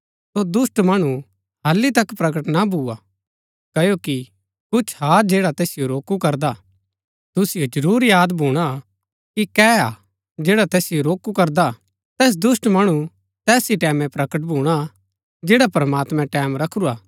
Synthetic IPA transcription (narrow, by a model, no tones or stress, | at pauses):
sod̪ʊsʈmɐɽ̃u | ɦɐlːit̪ɐkpɾɐkəʈnabʱua | kɐjoki | kʊt͡ʃʰɦaːd͡ʒeːɽat̪eːsɪjoɾoːkukɐɾd̪a | t̪ʊsɪjod͡ʒɐɾuːɾjaːd̪bʱuːɽ̃a | kikɛːa | d͡ʒeːɽat̪eːsɪjoɾoːkukɐɾd̪a | t̪ɛːs̬d̪ʊsʈmɐɽ̃u | t̪ɛːsiʈɛːmɛ̃pɾɐkəʈ̬̚bʱuːɽ̃a | d͡ʒeːɽapɐɾmaːt̪mɛ̃ʈɛːmɾɐkʰɾuaː